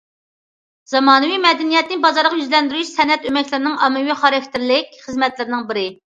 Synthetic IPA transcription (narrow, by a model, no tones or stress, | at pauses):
z̥ɑmɑːnɨwimɛd̪ɛnijɛt̪nɪbɑzɑɾʁɑjyzlɛnd̪yɾyʃsɛnɛt̪ømɛkʲlɪɾɪnɪŋʔɑmɨwiχɑɾɑkʲt̪ʰɪɾlɪkʲχəzmɛt̪lɪɾɪnɪŋbɪɾɪ